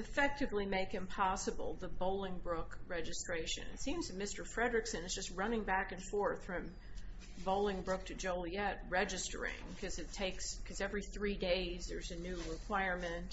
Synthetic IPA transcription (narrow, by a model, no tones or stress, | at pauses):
ɨfɛk̚tɨvlimeɪkɨ̃mpʰɑsəbl̩ˠðəboʊlˠɪ̃ŋbɹʊkɹɛd͡ʒɨstɹ̥eɪʃɨ̰̃nɨ̰tsĩmz̥tʰɨmɪstə˞fɹɛdɹɨksɨ̃nɨzd͡ʒʌst̚ɹʌnɪ̃ŋbækɨ̃nfɔɹθɹʌ̃m | boʊlˠɪ̃ŋbɹʊk̚tʰɨd͡ʒoʊlˠiɛt̚ɹɛd͡ʒɨstə̰˞ɪ̰̃ŋkʰʌzɨtʰeɪkskʰʌzɛvɹiθɹideɪzðə˞zɨnʉɹɪkʰw̥aɪɹmɨ̃nt